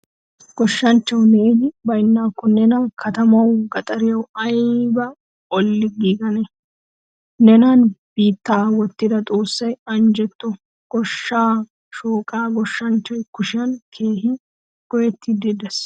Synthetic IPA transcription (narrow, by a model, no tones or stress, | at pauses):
ɡ̥ɔʃːɐnt͡ʃːɐwneːhɪbɐjnːaːkːɔnɛnakʰɐt̪ɐmɐwɡɐt̪ʼɐɾɪjɐwɐjbɐ | ɔlːɪɡiːɡɐnɛ | nɛnaːnb̥iːt̪ːaːwɔt̪ːɪd̪ɐt̪ʼo̞ːsːɐjɐnd͡ʒɛt̪ːɔ | ɡ̥ɔʃːaː | ʃuːkʼaːɡɔʃːɐnt͡ʃːɐjkʊʃɪɐnkʰe̞ːhɪ | ɡ̥ɔjɛt̪ːɪd̪ɪd̪ɛs